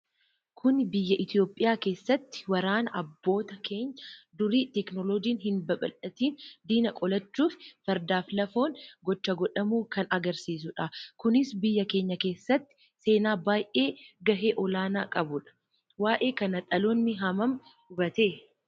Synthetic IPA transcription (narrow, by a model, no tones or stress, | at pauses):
kʰʊnbɪjːɐʔɪt̪ijo̞ːpʼɪjaːke̞ːsːɐt̪ːɪ̥wɐɾaːnɐʔɐbːo̞ːt̪ɐkʰe̞ːɲːɐd̪ʊɾiːt̪ɛknɔloːd͡ʒiːnɦɪnbɐɓɐ̰lɐt̪iːnd̪iːnɐkʼɔlɐt͡ʃːuːffɐɾd̪aːflɐfo̞ːnɡɔt͡ʃːɐɡɔᶑɐmuːkɐnɐɡɐɾsiːsʊᶑakʊnɪsbɪjːɐke̞ːɲːɐke̞ːsːɐt̪ːɪ̥ | se̞ːnaːbaːjʔe̞ːɡɐɦeːʔɔlaːnaːkʼɐbʊᶑɐ̥ | waːʔe̞ːkɐnɐt̪ʼɐloːnːɪɦɐmɐm | ʊbɐt̪e̞ː